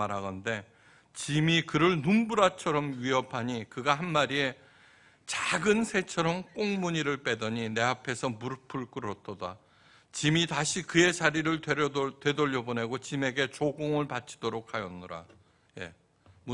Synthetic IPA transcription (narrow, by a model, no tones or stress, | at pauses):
aɾaɡʌnde̞ | t͡ɕimikɯɾɯɭnumbuɾat͡ɕʰʌɾʌmɥiʌpʰaɲikɯɡaɦanmaɾie̞ | t͡ɕaɡɯnsʰe̞t͡ɕʰʌɾʌmk͈oŋmuɲiɾɯɭp͈e̞dʌɲine̞apʰe̞sʰʌmuɾpʰɯɭk͈ɯɾʌtʰʌda | t͡ɕimitaɕʰikɯe̞t͡ɕaɾiɾɯɭetwe̞doʎːʌbone̞ɡot͡ɕime̞ɡe̞t͡ɕoɡoŋɯɭpat͡ɕʰi̥d̥oɾokʰhajʌnːɯɾa̰ | je̞̰ | mu